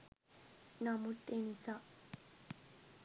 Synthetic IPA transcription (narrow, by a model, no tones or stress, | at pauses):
namut̪ːenisa